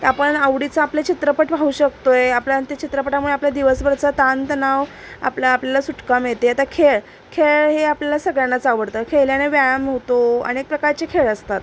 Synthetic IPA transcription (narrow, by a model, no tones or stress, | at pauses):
apəɳəʋɽit͡saːplet͡ɕʰit̪ɾəpəʈbʱauːɕək̚t̪oeaplant̪et͡ɕʰit̪ɾəpəʈamuɭeaplad̪iʋəsbəɾt͡sat̪ant̪naʋ | a̰plaːpljalasuʈkamet̪eat̪akʰeɭ | kʰeɭɦeapljalasəɡɭjanːat͡saʋəɽt̪əkʰeɭljaneʋajamɦot̪oə̰nek̚pɾəkaɾt͡ɕekʰeɭəst̪at̪